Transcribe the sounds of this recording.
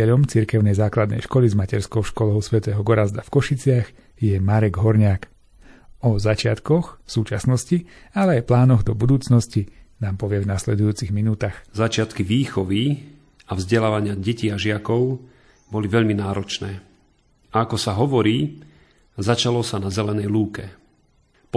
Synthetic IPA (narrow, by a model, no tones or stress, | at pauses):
ɛʎɔmt͡siɾkɛʊnɛjzaːklad̪nɛ̰jʃkɔlizmacɛɾskɔʊʃkɔlɔʊsʋɛt̪ɛːɦɔɡɔɾazd̪afkɔʃit͡sɪaɣ | jɛmaɾɛɡɦɔɾɲaːk | ɔzat͡ʃɪat̪kɔxfsuːt͡ʃasnɔscialɛajplaːnɔɣd̪ɔbud̪uːt͡snɔscinaːmpɔʋɪɛvnaslɛd̪ujuːt͡siɣminuːt̪axzat͡ʃɪat̪kiʋiːxɔʋi | avzɟɛlaːʋaɲɪaɟɛciːaʒɪakɔʊ | bɔliʋɛʎminaːɾɔt͡ʃnɛː | aakɔsaɦɔʋɔɾiː | zat͡ʃalɔsanazɛlɛnɛjluːkɛ | p